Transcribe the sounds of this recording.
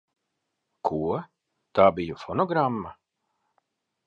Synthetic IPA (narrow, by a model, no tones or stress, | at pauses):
kʰuɔ | t̪aːbijufɔnɔɡɾamːa